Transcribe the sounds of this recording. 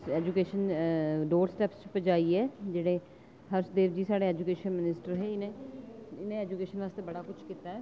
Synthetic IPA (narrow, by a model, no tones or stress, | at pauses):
ɛːd͡ʒukeːʃənɖoːɾsʈɛːpst͡ʃpəd͡ʒaːiːɛːd͡ʒeːɽeː | həɾsd̪eːʋd͡ʒiːsaːɽeːɛːd͡ʒukeːʃənmɪnɪsʈəɾɦeːɪnẽ | ɪnẽːɛːd͡ʒukeːʃənʋaːst̪eːbəɽaːkʊt͡ʃʰkiːt̪aːɛː